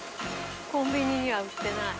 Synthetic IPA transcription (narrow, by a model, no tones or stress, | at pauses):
kõmbiɲiɲiβaɯɕi̥t̪enai